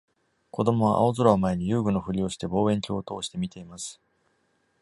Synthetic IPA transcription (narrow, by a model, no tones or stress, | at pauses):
ko̞d̪o̞mo̞β̞a̰ʔa̰o̞zoɾaomae̞ɲ̟ijɯ̟ːɡɯ̟no̞ɸɯ̟ɾʲio̞ɕi̥t̪e̞bo̞ːẽ̞ŋkʲo̞ːt̪o̞ːɕi̥t̪e̞mʲit̪e̞imasɨ̥